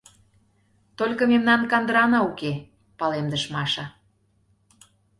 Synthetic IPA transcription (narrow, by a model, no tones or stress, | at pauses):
t̪olʲkɤ̆memnɑnkɑnd̪əɾɑnɑuke | pɑlemd̪əʃmɑʃɑ